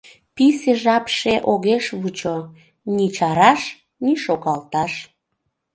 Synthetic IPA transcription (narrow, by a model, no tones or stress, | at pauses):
piseʒɑpʃeʔoɣeʃβut͡ɕo | nit͡ɕɑɾɑʃ | niʃoɣɑlt̪ɑʃ